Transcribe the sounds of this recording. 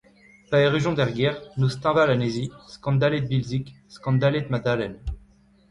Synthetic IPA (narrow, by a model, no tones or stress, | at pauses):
paeʁyʒɔ̃d̪ɛʁɡɛʁnust̪ɑ̃valaneziskɑ̃d̪aled̪̚bilzikskɑ̃d̪aled̪mad̪alɛn